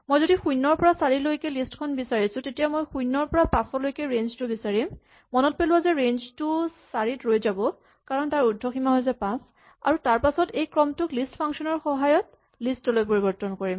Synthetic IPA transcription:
mojzodixujnːɔɹpɔɹasaɹilojkɛlistkʰɔnbisaɹisʊ̃tetijamojxujnːɔɹpɔɹapasɔlojkɛɹenztʊbisaɹim | mɔnɔt̚peluwazɛɹenztʊsaɹitɹojzabɔ | kaɹɔntaɹudʱːɔximaɦozɛpas | a̰ɹutaɹpasɔtejkɹɔmtʊklistpʰaŋksɔnɔɹxɔɦajɔt | listɔlojp̬oɹibɔɹtɔnkoɹim

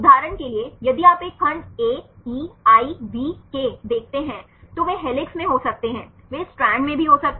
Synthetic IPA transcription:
ʊd̪ʱaːɾəɳkeliejɐd̪iaːpeːk̚fʰɐ̃ɳɖeːiːaːiʋiːkeːd̪eːk̚ʰt̪eɦɛ̃ː | t̪oʋẽɦɛlɪksmẽɦosɐk̚t̪eɦɛ̃ːʋẽsʈɾɛ̃ːɳɖmẽbʱiɦosɐk̚t̪

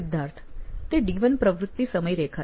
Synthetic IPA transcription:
d̪ʱjaɾt̪ʰt̪eɖiʋənpɾəʋɾut̪ːisəməjɾekʰa

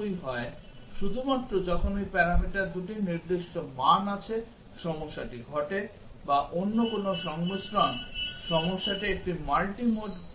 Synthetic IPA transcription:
jɦɔe | ʃud̪ʱumat̪ːɾod͡ʑɔkʰonipɛɾamiʈaɾd̪uʈiniɾd̪iʃʈomanat͡ɕʰe | ʃɔmoʃːaʈiɡʱɔʈe | baʔonːokonoʃɔŋbosɾanʃɔmoʃːaʈiek̚ʈimalʈimoɖ

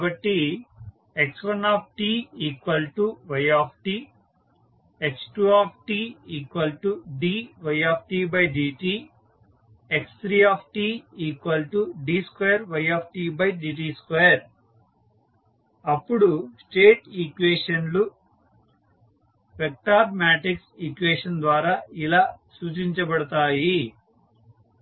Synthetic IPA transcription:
bɐʈːi | eksʋɐnaːp̚ʰʈiːiːkʋɐlʈuʋɐjaːp̚ʰʈiː | eksʈuːaːpʰʈiːiːkʋɐlʈuɖiːʋɐjaːp̚ʰʈiːbɐjɖiːʈiː | ekst̪ɾiːaːpʰʈiːiːkʋɐlʈuɖiːskejɐɾʋɐjaːp̚ʰʈiːbɐjɖiːʈ̬iːskejɐɾ | ɐpːuɽusʈeːʈikʋeːʂɐnlu | pek̚ʈaːɾmaːʈɾiksikʋeːʂɐnd̪ʋaːɾaːilaːsuːt͡ʃiɲt͡ʃɐbɐɽɐt̪aːji

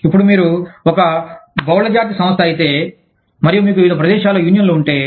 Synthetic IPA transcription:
ipːuɽumiːɾuɔkɐbɐwɭɐd͡ʒaːt̪̬isɐ̃m̃ɐst̪ʰɐːjit̪e̞ː | mɐɾijumiːk̬uiːd̪oːpɾɐd̪ɛːʃaːlɐjuːnjɐnloːuɳʈe̞ː

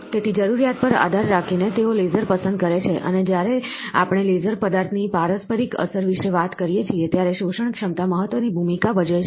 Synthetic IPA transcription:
t̪et̪ʰid͡ʒəɾuɾijat̪̚pəɾa̰d̪ʱaɾːakʰinet̪eolezəɾpəsə̃nd̪̚kəɾet͡ʃʰeʔə̰ned͡ʒjaɾea̰pəɳ̃elezəɾpəd̪aɾt̪ʰnipaɾəspəɾikə̰səɾʋiʃeʋat̪kəɾijet͡ʃʰiet̪jaɾeʃoʃəɳkʂəmt̪aməɦət̪ːʋənibʱumikaʋəd͡ʒət͡ʃ

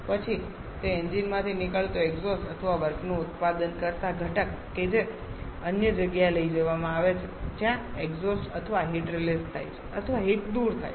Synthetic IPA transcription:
pət͡ʃʰi | t̪eend͡ʒinmãt̪ʰinikəɭt̪oeɡzosʈət̪ʰəʋaʋəɾknũut̪̚pad̪ənkəɾt̪aɡʱəʈək | ked͡ʒe | ənjəd͡ʒəɡjaeləid͡ʒəʋamãaʋet͡ʃʰed͡ʒjãekzosʈət̪ʰəʋaɦiʈɾilist̪ʰa̰jt͡ʃʰe̥ət̪ʰəʋaɦiʈ̪d̪uɾt̪ʰa̰j

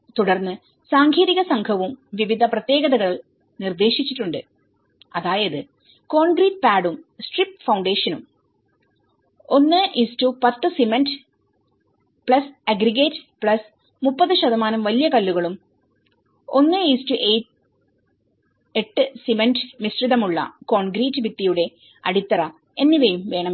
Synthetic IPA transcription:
t̪uɽɐrnːɨ | saːŋkʰiːɾiɣɐsɐŋkʰɐʋumʋiʋid̪ʱɐprɐt̪je̞ːɣɐðɐɣɐɭ | nird̪e̞ːɕit͡ɕːiʈːuɳɖɨ | ɐðaːjɐðɨ | ko̞ːɳɖriːʈ̚paːɽumsʈripːfɐwɳɖeːʂɐnum | o̞nːɨistupɐt̪ːɨsimenɖ | pɭɐsɐɡriɡeːtːpɭɐs | mupːɐðɨɕɐðɐmaːnɐmʋɐlijɐkɐlːuɣɐɭum | o̞nːɨistuʔejt | eʈːɨsimendmisriðɐmuɭːɐ̰ko̞ːɳɡɾiːtːɨbit̪ːijuɽe̞ | ɐ̰ɽit̪ːɐrɐ | e̞nːiʋeːjumʋe̞ːɳɐm

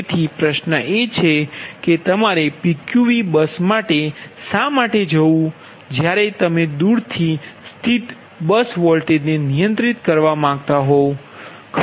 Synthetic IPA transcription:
t̪ʰipɾəʃnəʔet͡ʃʰeket̪əmaɾepikjuʋibəsmaʈesamaʈed͡ʒəũ | d͡ʒjaɾet̪əmed̪uɽt̪ʰist̪ʰiʈ̪ | bəsʋɔlʈednenijə̃nt̪ɾit̪kəɾʋamãɡt̪aɦo | kʰ

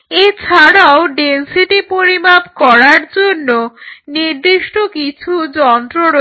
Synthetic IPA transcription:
et͡ɕʰaɽaoɖensiʈipoɾimabkɔɾaɾd͡ʑonːoniɾd̪iʃʈokit͡ɕʰud͡ʑɔnt̪ɾoɾo

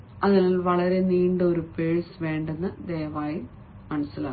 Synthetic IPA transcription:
ɐðinalʋɐɭɐɾe̞niːɳɖɨo̞ɾupeɻisɨʋe̞ːɳɖenːɨd̪eːʋaːji | mɐɳɐsilaː

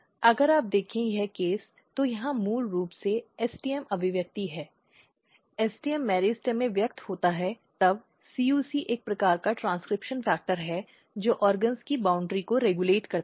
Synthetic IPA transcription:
ɐɡəɾaːp̚d̪eːkʰẽjɦɛkeːs | t̪ojɐɦãmuːlɾuːpseɛsʈiːɛmɐbʱɪʋjək̚t̪iɦɛː | ɛsʈiːɛmːɛːɾɪsʈmẽʋjɐk̚t̪hoːt̪aɦɛ | t̪ɐb | siːuːsiʔeːk̚pɾɐkaːɾkaʈɾãːnskɾɪpʃənfɛːk̚ʈəɾɦɛ | d͡ʒoːʔɔːɾɡənzkibãːʊ̃ɳɖɾikoɾeːɡuleːʈkɐɾ

